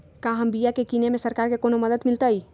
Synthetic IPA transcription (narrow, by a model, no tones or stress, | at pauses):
kaɦəmbijakekinemesəɾkaɾkekonoməd̪əd̪milt̪əj